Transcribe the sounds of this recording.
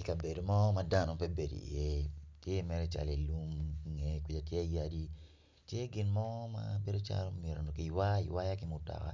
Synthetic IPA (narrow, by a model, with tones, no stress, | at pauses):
i˨ka˨be˨do˨mɔ˦ma˦da˦no˨pɛ˦be˨do̰˨i˨je˦te˦mɛ˦ɾɛ˦t͡ʃa̰˨le˨lu˦mŋe˨kwi˨d͡ʒa˨tje˦a˦ja˦di˦ | tje˦ɡɪ˨nmɔ˦ma̰be˦do˦t͡ʃa̰˦lo˦mje˨ɾo˨no˨ki˨wa˦ḭ˨wa˦ja˦kɪ˦mʊ˦ta̰˨ka̰˨